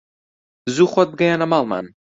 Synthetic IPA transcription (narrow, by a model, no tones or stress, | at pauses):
zuχɔt̪̚b̚ɡajanamalˠma̰n